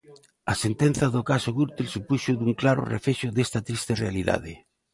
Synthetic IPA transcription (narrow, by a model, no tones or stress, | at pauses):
ɐsent̪en̟θɐðʊkasoɣuɾt̪elsupuʃʊðuŋklaɾʊ̰rḛfeʃʊðest̪ɐt̪ɾist̪erealiða̰ð̞ɪ